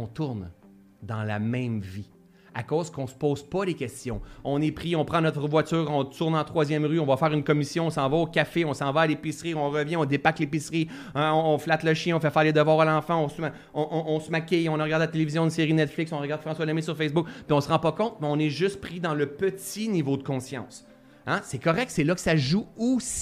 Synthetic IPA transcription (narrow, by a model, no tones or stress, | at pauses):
ɔ̃t̪ʊʁn | d̪ɑ̃la̰mɛ̃mvi | a̰koːzkɔ̃sə̥poːz̥pʌlekʲɛst̪jɔ̃ɔ̃nepʁiɔ̃pχɑ̃nɔt̪χəvwat͡syːʁɔ̃t̪ʊʁnɑ̃t̪χwazjɛmʁyɔ̃vɔfɛːʁynkɔmisjɔ̃ɔ̃sɑ̃vaokʲafeɔ̃sɑ̃vaalepisʁiɔ̃ʁəvjɛ̃ɔ̃d̪ebaklepisʁi | ɔ̃ɔ̃flat̪ləʃjɛ̃ɔ̃fɛfɛːʁled̪əvwɑːʁalɑ̃fãɔ̃sma | ɔ̃ʔɔ̃ʔɔ̃smakʲeɔ̃naʁəɡaʁd̪eɪlat̪elevizjɔ̃ynseʁinɛt̪flɪksɔ̃ʁəɡaʁd̪fχɑ̃swalɛmesyʁfɛsbʊkpiɔ̃səʁɑ̃pʌkɔ̃t̪̚mɛɔ̃nɛʒʏst̪̚pʁid̪ɑ̃ləpət͡sinivod̪əkɔ̃sjɑ̰̃ːs | ã̰sɛkɔʁɛk̪̚sɛlʌkə̥saʒuosi̥